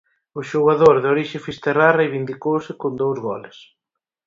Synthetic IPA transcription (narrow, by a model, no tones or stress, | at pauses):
ʊʃoɣaðoɾðoɾiʃɪfist̪erarejβind̪ikowsɪkond̪owzɣɔlɪs